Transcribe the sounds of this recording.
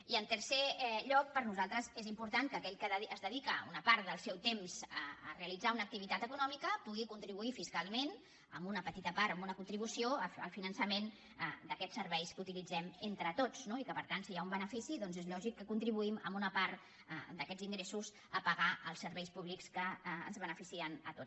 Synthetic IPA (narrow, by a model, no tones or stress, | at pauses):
iənt̪əɾseʎɔk̚pəɾnuzalˠt̪ɾəzezimpuɾt̪aŋkəkɛʎkəːzðəðikəṵnəpaɾt̪d̪əlˠsɛwt̪emzəəreəlid͡zaunək̚t̪iβ̞it̪at̪əkunɔmikəpuɣikunt̪ɾiβuifiskalˠmen | əmbunəpət̪it̪əpaɾəmbunəkunt̪ɾiβ̞usioəə̰lˠfinənsəmen | əd̪əkɛsːəɾβɛjskəut̪ilid͡zɛment̪ɾət̪ot͡snoikəpəɾt̪ansijaumbənəfisiðɔnzezʎɔʒikːəkunt̪ɾiβuimə̰mbunəpaɾt̪ | d̪əkɛd͡ziŋɡɾesuz | əpəɣaʔəlˠsəɾβɛjspuβlikskə̰ːnzβənəfisiənət̪ot͡s